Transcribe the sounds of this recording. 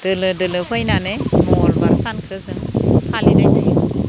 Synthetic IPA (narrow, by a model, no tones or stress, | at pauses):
d̥ɯlɯdɯlɯhʰojnanemɔlbaɾsankʰɯzɯŋhʰalinajna̰j